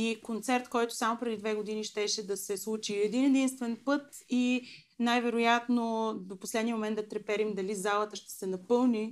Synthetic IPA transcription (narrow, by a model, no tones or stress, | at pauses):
ikont̪sɛɾt̪kɔjt̪o̥samopɾɛd̪id̪vɛɡod̪iniʃt̪ɛʃɛd̪ɐsɛslˠut͡ʃiɛd̪inɛd̪inst̪vɛnpɤt̪i | najvɛɾojat̪nod̪oposlɛd̪niəmomɛnd̪d̪ɐt̪ɾɛpɛɾimd̪ɐlizalˠət̪əʃt̪ɛ̥sɛnɐpɤlˠni